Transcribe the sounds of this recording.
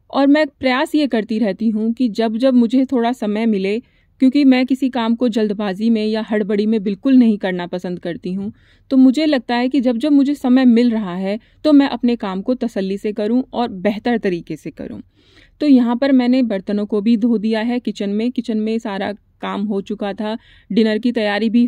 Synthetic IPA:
ɔːɾmɛ̃pɾɐjaːsjekɐɾt̪iɾɛɦt̪iɦũkid͡ʒɐbd͡ʒɐbmʊd͡ʒʱet̪ʰoːɽasɐməjmɪle | kjõːkimɛ̃ːkɪsikaːmkod͡ʒɐld̪baːzimẽjaɦɐɽbɐɽimẽbɪlkʊlnɐɦĩkɐɾnapɐsə̃nd̪̚kɐɾt̪iɦũ | t̪omʊd͡ʒʱelɐɡ̚t̪aɦɛkid͡ʒɐbd͡ʒɐbmʊd͡ʒʱesɐməjmɪlɾɐɦaɦɛ | t̪omɛ̃ːʔɐpnekaːmkot̪ɐsəlːisekɐɾũɔːɾbɛɦt̪əɾt̪ɐɾiːkesekɐ̰ɾṵ̃ː | t̪oːjɐɦãpɐɾmɛ̃ːnebɐɾt̪ənõkobʱid̪ʱoːd̪ijaɦɛkɪt͡ʃənmẽkɪt͡ʃənmẽsaːɾa | kaːmɦot͡ʃʊkat̪ʰa | ɖɪnəɾkit̪ɐjaːɾibʱi

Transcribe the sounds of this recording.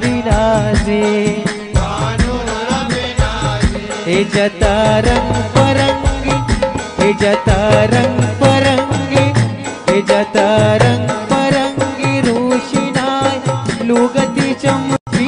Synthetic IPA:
ɾinaːd͡ʒe | ɦed͡ʒɐt̪aɾɐŋɡpɐɾɐŋɡiɦed͡ʒɐt̪aɾɐŋɡpɐɾɐŋɡiɦed͡ʒɐt̪aɾɐŋɡpɐɾɐŋɡiɾoʃinajloɡɐt̪it͡ʃɐmi

